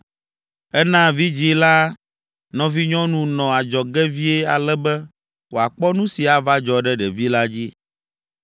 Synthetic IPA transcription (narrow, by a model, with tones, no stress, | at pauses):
ɛ˦nã˦vi˦d͡ʑi˦la˦ | nɔ̃˨˦vi˦ɲɔ̃˦nũ˦nɔ̃˨a˨d͡ʒɔ˨ɡɛ˦vi˦ɛ˦a̰˨lɛ˦bɛ˦ | wo˨a˨k͡pɔ˦nũ˦si˨a˨va˦d͡ʒɔ˨ɖɛ˦ɖɛ˨vi˦la˦d͡ʑi˦